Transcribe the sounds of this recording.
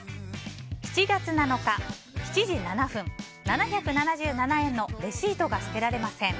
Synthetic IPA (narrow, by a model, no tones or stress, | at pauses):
çi̥t͡ɕiɡat͡sɨnano̞ka | çi̥t͡ɕiʑinanaɸɯ̟̃ɴ | nanaçʲakɯ̟nanaʑɨːnanaẽ̞nːo̞ɾe̞ɕiːt̪o̞ɡasɨ̥t̪e̞ɾaɾe̞masẽ̞ŋ